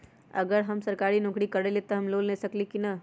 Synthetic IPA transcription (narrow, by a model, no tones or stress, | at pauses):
ɐ̰ɡəɾɦɐmsəɾkaːɾinõːkɽikɐɾelet̪oɦɐmloːlnesɐklikinɐ